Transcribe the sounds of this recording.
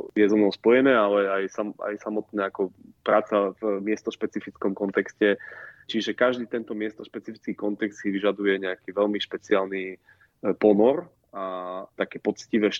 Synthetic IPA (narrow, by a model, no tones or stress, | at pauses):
jɛzɔmnɔʊspɔjɛnɛːalɛajsama̰jsamɔt̪nɛːakɔpɾaːt͡savmɪɛst̪ɔʃpɛt͡sifit͡skɔmkɔnt̪ɛkscɛt͡ʃiʒɛkaʒd̪iːt̪ɛnt̪ɔmɪɛst̪ɔʃpɛt͡sifit͡skiːkɔnt̪ɛkst̪siʋiʒad̪ujɛɲɛakiːʋɛlmiʃpɛt͡sɪaːlni | pɔnɔɾ | at̪akɛːpɔt͡sciʋɛːʃ